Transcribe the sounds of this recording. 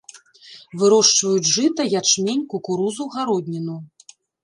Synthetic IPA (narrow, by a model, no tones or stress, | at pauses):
vɨɾɔʂt͡ʂvɐjud͡zʲʐɨt̪ɐjat͡ʂmʲenʲkukuɾuzuɣaɾɔd̪ʲnʲinu